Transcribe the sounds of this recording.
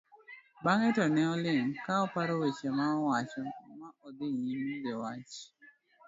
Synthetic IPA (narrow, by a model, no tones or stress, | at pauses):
baŋɛtɔnɛɔlɪŋkaɔpaɾɔwet͡ʃemaɔwat͡ʃɔmaɔd̪ɪɲimid͡ʒewat͡ʃ